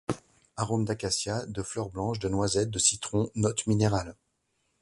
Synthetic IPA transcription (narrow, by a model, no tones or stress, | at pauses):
aʁomd̪akasjad̪əflœʁblɑ̃ʃd̪ənwazɛt̪̚d̪əsit̪χɔ̃nɔt̪mineʁal